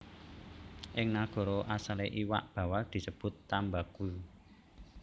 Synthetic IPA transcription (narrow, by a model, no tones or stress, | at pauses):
ʔɪŋnaɡ̥ɔ̤ɾɔʔasaleʔiwa̰ʔb̥ä̤wald̪̥i̤səb̥ʊ̤t̪ːambaɡ̥ṳ